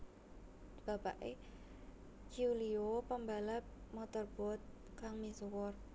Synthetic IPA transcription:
b̥a̤paʔe | d͡ʒiuliopəmbalamɔt̪ɔrb̥ɔ̤t̪̚ | kaŋmisuwɔr

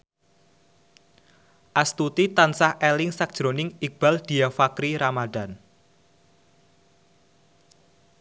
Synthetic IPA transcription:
ʔast̪ut̪it̪ansahelɪŋsak̚d̥ʒ̥ɾonɪŋik̚b̥a̤ld̥i̤afakɾiɾamadan

